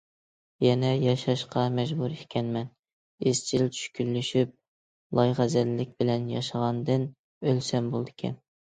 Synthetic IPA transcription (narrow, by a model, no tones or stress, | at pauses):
jɛnɛjɑʃɑʃqɑmɛʒbuɾekʲɛnmɛn | ez̥t͡ʃʰilt͡ʃʰy̥ʃkʲylːyʃyp̚ | lˠɑjʁæzɛlːɪk̚ʲbɪlɛnjɑ̰ʃɑʁɑnd̪ɨn | ølsɛmbolˠd̪ɪkʲʰɛ̰n